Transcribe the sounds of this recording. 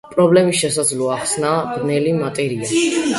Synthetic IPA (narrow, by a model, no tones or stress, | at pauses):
pʼɾɔblɛmisʃɛsad̪zlɔaχsnaʁnɛlimat̪ʼɛɾia